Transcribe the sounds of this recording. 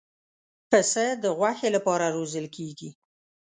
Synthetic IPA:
pəsəd̪əɣwaxelapɑɾaɾozəlkeɡi

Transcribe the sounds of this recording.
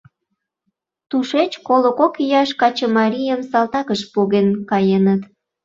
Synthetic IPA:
t̪uʃet͡ɕkoləkokijɑʃkɑt͡ɕəmɑɾʲijəmsɑlˠt̪ɑkəʃpoɣenkɑjenət̪

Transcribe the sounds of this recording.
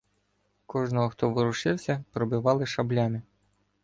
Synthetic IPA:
kɔʒnɔɦɔxt̪ɔʋɪɾʊʃɪwsʲɐpɾɔbɪʋɑlˠɪʃɐblʲamʲɪ

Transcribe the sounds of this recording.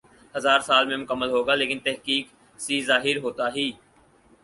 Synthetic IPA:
həzaːɾsaːlmẽmʊkəmːəlɦoːɡaːleːkɪnt̪ɛɦkiːk | siːzaːɦɪɾɦoːt̪aːɦiː

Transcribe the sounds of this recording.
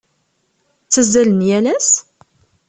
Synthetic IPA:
t͡sːəzːælənjælæs

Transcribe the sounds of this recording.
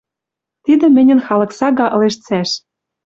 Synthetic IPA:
t̪id̪ɘ̆mɘ̆nʲə̆nxɑlɤ̆ksɑɣɑʔɤ̆leʃt͡sæʃ

